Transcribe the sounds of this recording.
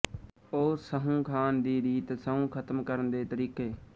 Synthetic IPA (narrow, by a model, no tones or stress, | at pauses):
oːsəɦũːkʰaːnd̪iːɾiːt̪səɦũːkʰət̪mkəɾənd̪eːt̪əɾiːkeː